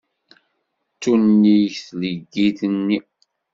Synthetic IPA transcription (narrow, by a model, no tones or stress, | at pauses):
tːunːiçθləɡːiθənːi